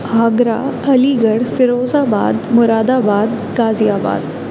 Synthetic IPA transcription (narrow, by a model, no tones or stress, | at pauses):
ɦaɡɾaəliɡəɽfiɾod͡zaba̰d̪muɾad̪abad̪ | ɡad͡zijaba̰d̪